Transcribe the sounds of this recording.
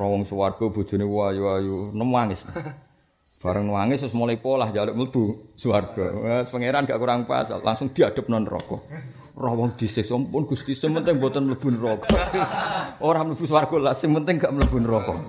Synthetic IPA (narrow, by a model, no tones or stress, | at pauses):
rɔwɔŋswarɡ̥ɔb̥ṳd̥ʒ̥ṳnewajuajunəmwaŋɪsna | b̥aɾəŋnəwaŋɪssmolipɔlahd͡ʒaləʔmələb̥usəwarɡ̥ɔəspəŋeɾanɡaʔkuɾaŋpa̰sa̰la̰ŋsʊŋd̪̥i̤ad̪̥ə̤p̚nɔnrɔ̰kɔ̰ | rɔhwɔŋd̪̥isɪhsɔmpʊnɡ̥ust̪isəmənt̪ɪŋbɔt̪ənmləb̥ṳnrɔkɔ | ʔoɾahmələb̥uswarɡ̥ɔlasɪŋmənt̪ɪŋɡaʔmələb̥ṳnrɔkɔ